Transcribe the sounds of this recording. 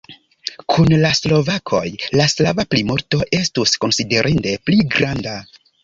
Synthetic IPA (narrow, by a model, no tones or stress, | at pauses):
kʰunlaslo̞vakʰo̞̰jlaslavaplimoɾto̞ʔe̞stusko̞nside̞ɾʔinde̞pliɡɾanda